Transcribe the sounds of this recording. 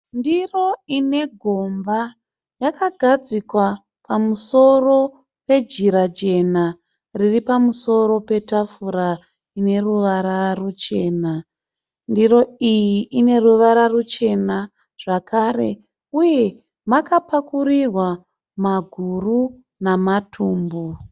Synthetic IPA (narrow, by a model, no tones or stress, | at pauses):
ndiro̞ine̞ɡʱo̞mba | jakaɡʱad͡zikwa | pamuso̞ro̞ | pe̞d͡ʒiɾad͡ʒe̞na | riripamuso̞ɾo̞pe̞tafuɾa | ine̞ruʋaɾarut͡ʃe̞ːna | ndiro̞ijiʔine̞ruʋaɾarut͡ʃe̞na | ʐ̥akare̞ | uje̞ | makapakurirwa | maɡʱuru | namatʰuːmbo